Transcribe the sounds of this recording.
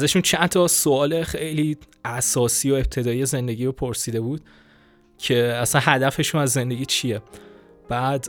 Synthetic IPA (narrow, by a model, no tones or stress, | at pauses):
æzæʃunt͡ʃʰænt̪ʰɒso̞ɒːle̞xejliː | æsɒːsiːjoe̞p̚t̪ʰe̞d̪ɒːijeze̞nd̪e̞ɟiːɾopʰoɾsiːd̪e̞buːd̪̥̚ | cʰe̞æsænɦæd̪æfe̞ʃunæzːe̞nd̪e̞ɟiːt͡ʃʰije | b̥æːd̪